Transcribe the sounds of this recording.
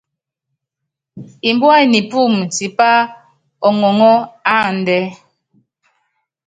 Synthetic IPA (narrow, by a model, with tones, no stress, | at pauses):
i˨m˦bwa˦˨ni˨pu˦˨mti˨pa˦ | ɔ˨ŋɔ˨ŋɔ˦a˦˨n̩˨dɛ˦